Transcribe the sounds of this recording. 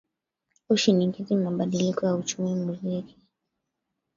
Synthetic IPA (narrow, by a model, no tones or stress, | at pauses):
uʃinikizimaɓaɗilikɔjaut͡ʃumimuziki̥